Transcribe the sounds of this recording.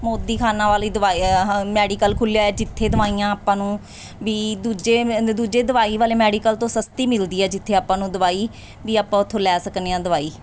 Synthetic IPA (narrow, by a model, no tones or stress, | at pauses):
moːd̪iːkʰaːnãːʋaːliːd̪ʋaːimɛːɖiːkəlkʰʊljaːɛːd͡ʒɪt̪ʰːeːd̪əʋaːiːãːaːpãːnũː | ʋiːd̪uːd͡ʒeːd̪uːd͡ʒeːd̪əʋaːiːʋaːleːmɛːɖiːkəlt̪õːsəst̪iːmɪld̪iːɛːd͡ʒɪt̪ʰːeːaːpãːnũːd̪əʋaːiː | ʋiːaːpãːʊt̪ʰːõːlɛːsəkneːãːd̪əʋaːiː